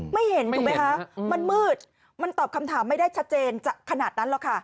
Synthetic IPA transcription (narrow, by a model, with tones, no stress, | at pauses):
ma˥˩jhe˩˦nt̪u˨˩˦kma˦˥jkʰa˦˥ma˧nmɯː˥˩t̪̚ | ma˧nt̪ɔː˨˩p̚kʰa˧mt̪ʰaː˩˦mːa˥˩jdaː˥˩jt͡ɕʰa˦˥t̪̚t͡ɕeː˧nt͡ɕaː˨˩kʰːa˧naː˨˩t̪̚na˦˥nlɔ˨˩kʰa˥˩